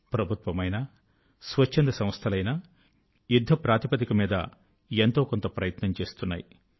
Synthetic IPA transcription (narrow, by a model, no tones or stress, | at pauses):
pɾɐbʱut̪ʋɐmɐjnɐ | sʋɐt͡ʃːind̪ɐsɐmst̪ʰɐlɐjnɐ | jud̪ʱːɐpɾaːt̪ipɐt̪ikɐmiːd̪ɐ̰ | ent̪o̞ːkont̪ɐpɾɐjɐt̪nɐmt͡ʃe̞ːst̪unːa̰ːji